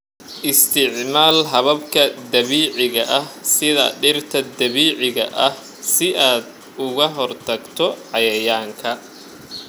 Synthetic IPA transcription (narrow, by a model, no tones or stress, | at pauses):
ʔɪst̪ʰɪʕmaːlɦɐβɐbkʰɐd̪ɐβiːʕɪɣɐʔɐhsɪðɐ̰ɖɪrt̪ʰɐd̪ɐβiːʕɪɣɐʔɐh | sɪʔaːd̪ | ʊɣɐɦɔrt̪ʰɐɡt̪ʰɔʕɑjɐjaːŋkʰɐ